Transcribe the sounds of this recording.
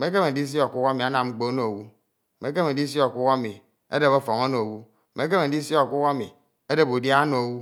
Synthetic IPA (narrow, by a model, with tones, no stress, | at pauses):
me˦ke˦me˨di˦s̬i˦o˨ku˦ka˦mi˨a˦na˨mŋ͡m̩˦k͡po˦no˨o˨wu˦˨ | me˨˦k̬e˦me˨i˦s̬i˦o˨ku˦ka˦mi˨ | ḛ˦de˨bo˦fo˨ŋo˦no˨o˨wu˦˨ | me˦k̬e˦me˨di˦si˦o˨ku˦ka˦mi˨ | e˦de˨bu˨dja˦no˨o˨wu˦